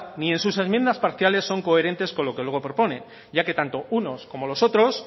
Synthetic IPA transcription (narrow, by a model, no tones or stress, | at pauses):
nie̞nsuse̞zmje̞nd̪aspaɾθjale̞sːo̞ŋko̞e̞ɾe̞nt̪e̞sko̞nlo̞kelweɣo̞pɾo̞po̞ne̞ | ɟ͡ʝake̞t̪ant̪o̞uno̞sko̞mo̞lo̞so̞t̪ɾo̞s